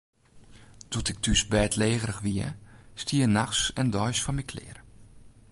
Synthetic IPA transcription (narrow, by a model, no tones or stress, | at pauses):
tʰɔtɪk̚tʰysbɛːtʰleːɣəɾəxʋiəstʰiənaxsɛndɔjsfɔnmikʰlɪ̰ːr